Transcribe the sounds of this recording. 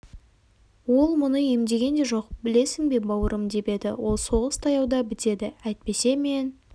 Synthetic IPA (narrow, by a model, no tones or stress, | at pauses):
wo̞lˠmʊnəje̞md̪e̞ɡʲe̞nd̪e̞ʒo̞qbɪle̞sɪŋbe̞bɑwəɾəmd̪e̞be̞d̪ɪ̰wo̞lˠso̞ʁəst̪ʰɑjɑwd̪ɑbɪt̪e̞d̪ɪæjt̪̚pe̞se̞me̞n